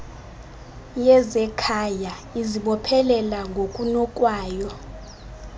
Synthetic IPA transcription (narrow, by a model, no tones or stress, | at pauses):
jɛzɛkʰaja | iziɓɔpʰɛlɛlaŋɡʱokʼunɔkʼwaːjɔ